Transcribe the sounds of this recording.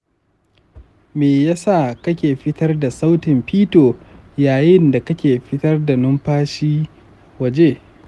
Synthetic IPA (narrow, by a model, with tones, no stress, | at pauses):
meː˨ja˦sa˦˨kɐ˦kʲeː˨ɸɪ˦tɐ˦rda˨sa˦wtɪ˨mɸiː˦toː˨jaː˨jɪ˦nda˨kɐ˦kʲeː˨ɸɪ˦tɐ˦rda˨nʊ˦mɸaː˦ʃiː˦ | wɐ˨d͡ʒeː˦